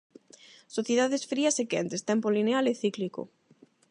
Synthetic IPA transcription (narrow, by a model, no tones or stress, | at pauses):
soθjeðaðesfɾiɐsekent̪est̪ɛmpolinealeθikliko̰